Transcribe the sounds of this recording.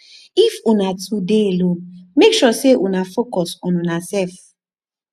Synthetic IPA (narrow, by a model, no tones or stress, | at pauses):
ifunatʰudelomekʃɔseʔunafokɔsɔ̃nunasɛlf